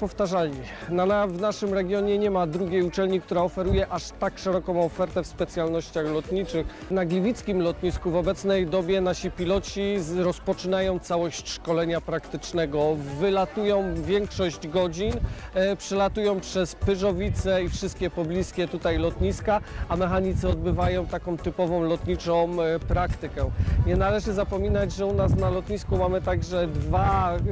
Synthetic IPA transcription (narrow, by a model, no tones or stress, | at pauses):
pɔft̪aʐalɲi | nanavnaʂɘmɾɛɡʲjɔɲɛɲɛmad̪ɾuɡʲjejut͡ʂɛlɲik̚t̪uɾaɔfɛɾujɛʔaʂt̪akʂɛɾɔkɔ̃w̃ɔfɛɾt̪ɛfspɛt̪sʲjalnɔɕt͡ɕaxlɔt̪ɲit͡ʂɘx | naɡlʲivʲit̪skʲimlɔt̪ɲiskuvɔbɛt̪snɛjd̪ɔbʲjɛnaɕipʲilɔt͡ɕiɾɔspɔt͡ʂɘnajɔ̃w̃t̪sawɔɕt͡ɕʂkɔlɛɲapɾakt̪ɘt͡ʂnɛɡɔvɘlat̪ujɔ̃w̃vʲjɛŋkʂɔʑd͡ʑɡɔd͡ʑinpʂɛlat̪ujɔ̃w̃pʂɛspɘʐɔvʲit̪sɛifʂɘst̪̚kʲɛpɔblʲiskʲɛt̪ut̪ajlɔt̪ɲiskaamɛxaɲit̪sɛɔd̪bɘvajɔ̃w̃t̪akɔ̃w̃t̪ɘpɔvɔ̃w̃lɔt̪ɲit͡ʂɔ̃w̃pɾakt̪ɘkɛɲɛnalɛʐɘzapɔmʲinad͡ʑʐɛunasnalɔt̪ɲiskumamɘt̪aɡʐɛd̪va